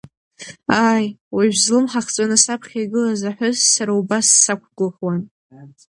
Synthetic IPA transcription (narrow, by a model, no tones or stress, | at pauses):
aːjwiʒᶣzlɨmħaχt͡sʼanɨsapʰχʲaɡɨlazaħʷᶣʊzsaɾaubasːakʷʰɡɨχwan